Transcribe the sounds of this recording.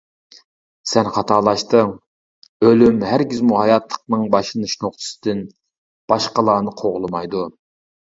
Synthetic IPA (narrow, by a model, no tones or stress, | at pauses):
sɛnχɑt̪ʰɑlˠɑʃt̪ɨ | ølymhæɾɡʲizmuhɑjɑt̪lˠə̥qnɨŋbɑʃɨnɨʃnoχt̪ʰɨ̥sɨ̥d̪ɪn | b̥ɑʃqəlˠɑːnɨqʰoʁlˠɨmɑjd̪u